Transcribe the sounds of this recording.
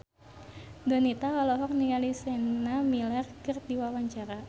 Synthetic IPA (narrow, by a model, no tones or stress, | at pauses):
dɔnit̪aɦɔlɔɦɔk̚nialisɛnamilɛrkərdiwawaɲt͡ʃaɾa